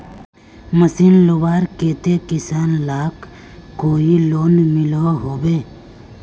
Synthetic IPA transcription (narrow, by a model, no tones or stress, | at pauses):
məsinlubaːɾkeːt̪ekisaːnlaːkː | oːiloːnmiloɦoːbeː